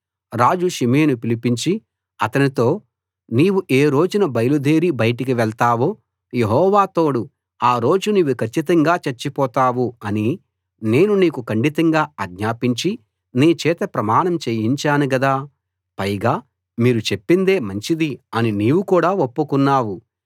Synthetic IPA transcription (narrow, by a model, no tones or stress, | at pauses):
ɾaːd͡ʒuʃimeːnupilipiɲt͡ʃi | ɐt̪ɐnit̪o̞ː | niːwuʔe̞ːɾo̞ːd͡ʒunɐbɐjɐlud̪ʱeːɾibɐjʈikiʋɛɭt̪aːwoː | je̞ɦɔːʋaːt̪o̞ːɽu | aːɾo̞ːd͡ʒuniːʋːukʰɐt͡ʃːit̪ɐŋɡaːt͡ʃɐɾt͡ʃːipɔːt̪aːwuɐni | ne̞ːnuniːkukɐɳɖit̪ɐŋɡaːɐɡɲaːpiɲt͡ʃi | niːt͡ʃɛːt̪ɐpɾɐmaːɳɐmt͡ʃeːjiɲt͡ʃaːnuɡɐd̪aː | pɐjɡaː | miːɾut͡ʃe̞pːind̪e̞ːmɐɲt͡ʃid̪iɐniniːʋukuːɽaːopːukunːaːwu